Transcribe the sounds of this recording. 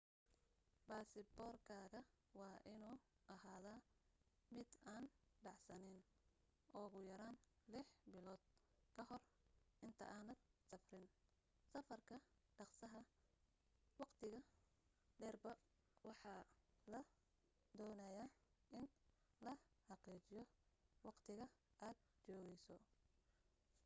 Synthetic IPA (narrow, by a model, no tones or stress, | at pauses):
baːsɪbɔːrkʰaːɣɐwɑːʔɪnuːʔɐɦaːðaːmɪd̪aːnɖɑʕsɐnɪn | ʔɔːɣʊjɐɾaːnlɪħbɪlɔːd̪̚ | kʰɐɦɔr | ʔɪnt̪ʰɐ̰ʔaːnɐd̪sɐfrɪn | sɐfɐrkʰɐɖɑqsɐɦɐ | wɑqt̪ʰɪɣɐ | ɖɛːrbɐ | wɑħɑlɐ | d̪ɔːnɐjaʔɪn | lɐhɑqiːt͡ʃɪjɔwɑqt̪ʰɪɣɐʔaːd̪̚t͡ʃɔːɣɛjsɔ